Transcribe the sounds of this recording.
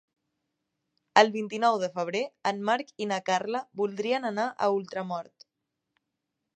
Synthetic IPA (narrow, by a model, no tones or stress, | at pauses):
əlˠβint̪inɔwðəfəβ̞ɾeənmaɾkinakarləβulˠd̪ɾiənənaʔə̰ulˠt̪ɾəmɔɾt̪